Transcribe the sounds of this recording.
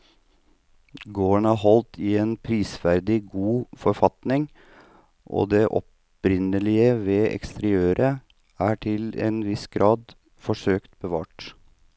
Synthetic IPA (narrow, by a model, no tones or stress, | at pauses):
ɡoːəɳæɦɔlt̪ʰɪeːnpʰɾiːsʋæɾd̪ɪɡuːfɔɾfɑt̪nɪŋ | ʔo̰ːd̪eːʔɔ̰p | ɾɪnəlɪəʋeːʔɛ̰kst̪əɾɪøːɾə | æːʈʰɪlḛːnʋɪsɡ̥ɾɑːd̪ | fɔʂøːkt̪bəʋɑ̰ːʈ